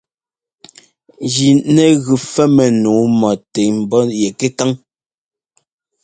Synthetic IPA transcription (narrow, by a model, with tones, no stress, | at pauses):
d͡ʒi˨nɛ˨ɣʉ˨fɛ˦mɛ˨nuː˨˦mɔ˨te˨m̩˨bɔ˦jɛ˨ke˦ta˦ŋ